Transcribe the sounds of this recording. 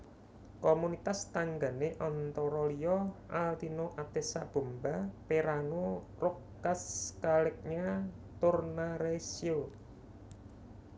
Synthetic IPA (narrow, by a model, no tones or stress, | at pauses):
komunit̪ast̪aŋɡa̤neʔɔnt̪ɔɾɔlijɔʔalt̪inoʔat̪esab̥o̤mbapeɾano | rokː | askalɪk̚ɲa | t̪ʊrnaɾesio